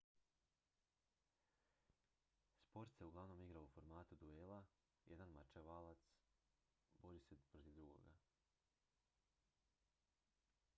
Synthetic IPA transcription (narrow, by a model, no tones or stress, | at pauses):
spo̞ɾt̪se̞uɡlˠaʋno̞miɡɾaufo̞ɾmaːt̪ud̪uela | jed̪anmat͡ʃeʋalat̪s | bo̞ɾisepɾo̞t̪iʋd̪ɾuɡo̰ɡa̰